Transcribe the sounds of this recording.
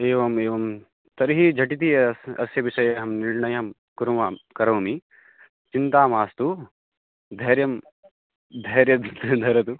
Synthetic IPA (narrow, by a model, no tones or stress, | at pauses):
eːʋɐmeːʋɐm | t̪ɐɾɦid͡ʒʱɐʈit̪iɐsɐ̰sjɐʋiʃɐjɐɦɐmniɭɳɐjɐm | kuɾumaːkɐɾɐwmi | t͡ʃint̪aːmaːst̪u | d̪ʱɐɦɾjɐm | d̪ʱɐːɾjɐd̪d̪ʱɐɾɐt̪u